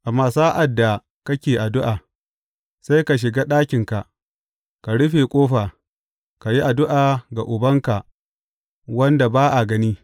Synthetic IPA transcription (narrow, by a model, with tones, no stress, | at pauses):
ʔa˨mːaː˨saː˦ʔa˨dːa˨ | kɐ˦kʲeː˨ʔa˨dʊ˦ʔaː˨ | sa˦jka˨ʃ̬ɪ˨ɡaː˦ɗaː˦kʲɪ˨ŋka˨ʔ | ka˨ɽʊ˦ɸe˨kʷʼoː˦ɸaː˨ | ka˨ji˦ʔa˨dʊ˦ʔaː˨ɡa˨ʔʊ˨bɐ˦ŋka˨ʔ | wɐ˦nda˨baː˦ʔa˨ɡɐ˦niː˦